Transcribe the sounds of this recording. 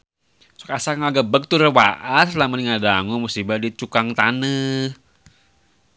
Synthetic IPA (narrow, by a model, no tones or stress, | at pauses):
so̥kasakŋaɡabək̚t̪uɾəwa̰ʔaslamaniŋadaŋumusibadit͡ʃukaŋt̪anə